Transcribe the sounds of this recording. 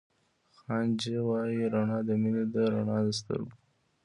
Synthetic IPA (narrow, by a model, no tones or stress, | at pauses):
xɑnd͡ʒewɑjiɾaɳɑd̪əmined̪əɾaɳɑd̪əs̬t̪ə̰ɾbu